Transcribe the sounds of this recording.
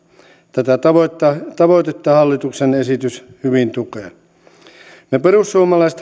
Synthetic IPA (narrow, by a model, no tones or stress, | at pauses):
t̪æt̪æt̪ɑʋot̪ːɑt̪ɑʋoit̪et̪ːɑhɑlːit̪uksenesit̪yshyʋint̪ukeː | neperusːuomɑlɑiset̪